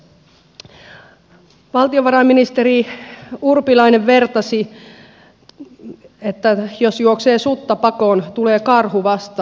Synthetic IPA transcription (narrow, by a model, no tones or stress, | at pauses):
ʋɑlt̪ioʋɑɾɑmːinist̪eɾiurpilɑineʋʋe̞rt̪ɑsi | et̪ːæjosjuokseːsut̪ːɑpɑkoːnt̪uleːkɑrhuʋɑst̪ɑ